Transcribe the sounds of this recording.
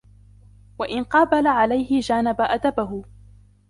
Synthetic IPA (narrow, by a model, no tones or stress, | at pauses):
waʔɪnqɑːbalaʕalajhɪd͡ʒaːnabaʔad̪abaɦʊ